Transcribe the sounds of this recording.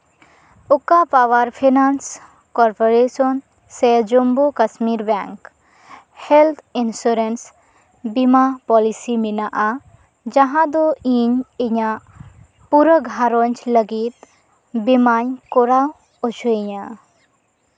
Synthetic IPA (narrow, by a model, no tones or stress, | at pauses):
ukapawaɾpʰinans | kɔɾpoɾesɔn | sed͡ʒombokɐsmiɾbɛŋk | helt̪ʰinsuɾens | bimapɔlisiminaʔa | d͡ʒaɦãd̪oiɲeɲa | puɾəɡʱaɾoɲt͡ʃləɡit̪ | bimaɲkɔɾaw | ot͡ʃʰuiɲã